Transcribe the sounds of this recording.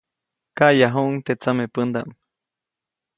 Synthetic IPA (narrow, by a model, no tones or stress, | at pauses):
kaʔjaɦuʔŋt̪et͡samepənd̪am